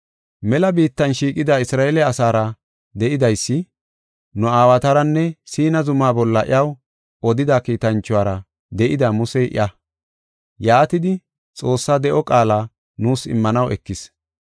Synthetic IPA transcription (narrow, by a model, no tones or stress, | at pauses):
mɛlɐbiːt̪ːɐnʃiːkʼɪd̪aɪsɾaːelɛɐsaːɾɐ | d̪ɛʔɪd̪ɐjsːɪ | nʊaːwɐt̪ɐɾɐnːɛsiːnɐzʊmaːbɔlːɐʔɪ̰jɐw | ɔd̪ɪd̪akiːt̪ɐnt͡ʃːʊwaːɾɐ | d̪ɛʔɪd̪ɐmʊsɛʔɪ̰ʔɐ | jaːt̪ɪd̪ɪ | t͡sʼo̞ːsːad̪ɛʔɔkʼaːlaː | nuːsɪ̰mːɐnɐwɛkːɪs